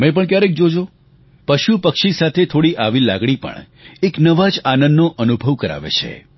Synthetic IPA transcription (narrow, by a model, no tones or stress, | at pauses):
mẽp̬əɳkjaɾek̚d͡ʒod͡ʒo | pəʃupəkʃisat̪ʰet̪ʰoɽiʔaʋila̰ɡɽ̃ipə̰ɳ | eknəʋad͡ʒanəndːoʔənubʱəʋkəɾa̰ʋḛt͡ʃʰḛ